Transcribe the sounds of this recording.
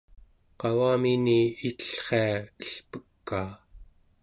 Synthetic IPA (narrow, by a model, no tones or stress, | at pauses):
qɑwaminiit̪ə̥ɬχeaəɬpəkːaː